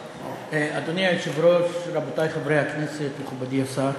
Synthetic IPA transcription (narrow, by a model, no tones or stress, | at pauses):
ead̪oniaeʃevɾoʃɾabotajχavɾehakneset̪meχubad̪iasaɾ